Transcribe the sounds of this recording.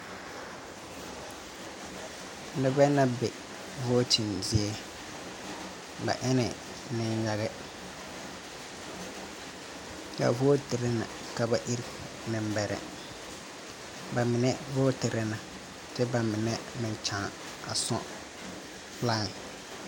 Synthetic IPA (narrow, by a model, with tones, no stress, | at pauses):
n̩˦dɪ˦bɛ˦na˦bɛ˨ | vɔː˦ti˨nzɪ˦ɛ˦ | ba̰˨ʔɛ˦nɛ̰˨ | nɪ˦n˦ja˦ɣɛ˦ | ka̰˨vɔ˦tɪ˨ɾɛ˦na̰˨ | ka˦ba˦ʔi˦ɾ | nɪ˨mbɛ˨ɾɛ̰˦ | ba˨mɪ˨nɛ˦vɔː˦tɪ˨ɾɪ˦na˨ | tɪ˦ba˨mɪ˨nɛ˦mɪ˨n˨t͡ʃãː˨ | a̰˨sɔ̰˦ | laː˦ŋ˨